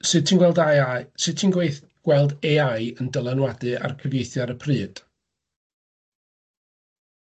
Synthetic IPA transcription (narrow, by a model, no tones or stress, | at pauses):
sɨ̥tʰiːnɡwɛlˠdajasɨtʰinɡweɨθ | ɡ̥wɛlˠdeajəndəlˠənwadɨa̰rkʰəvjejθjaɾəpʰrɨːd̥